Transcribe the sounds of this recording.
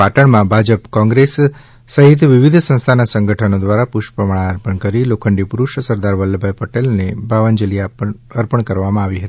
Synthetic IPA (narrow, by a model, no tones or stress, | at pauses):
paʈəɳmãbʱad͡ʒəpkɔ̃ŋɡɾesː | əɦɪt̪̬ʋɪʋid̪ʱsə̃ñst̪ʰanasəŋɡʱəʈʰənod̪ʋaɾapʊʃpəmaɭaəɾpəɳkəɾilokʰəɳɖipuɾuʃsəɾd̪aɾʋəlːbʱajpəʈelnebʱaʋənd͡ʒəliaəɾpəɳkəɾʋamãaʋiɦət̪i̥